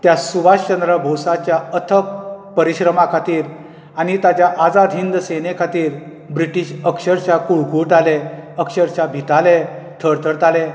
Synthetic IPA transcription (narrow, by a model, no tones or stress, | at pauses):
t̪jasuʋaɕt͡ɕənd̪ɾəbʱowsat͡ɕjaət̪ʰək̚pəɾiɕɾəmakʰat̪iːɾ | anit̪at͡ɕjaʔad͡zad̪ʱɦind̪senekʰat̪iːɾ | bɾiʈiɕəkɕəɾt͡ɕakuɭkuʈaleəkɕəɾt͡ɕabʱit̪alet̪ʰəɽt̪ʰəɾt̪ale